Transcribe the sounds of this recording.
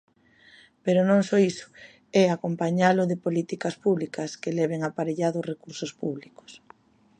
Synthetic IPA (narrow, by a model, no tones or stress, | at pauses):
peɾʊnõŋsɔisʊ̥ | ɛakompaɲalʊðɪpolit̪ikɐspuβlikɐskelɛβeŋapaɾeʎaðʊsrekuɾsʊspuβlikʊ̥s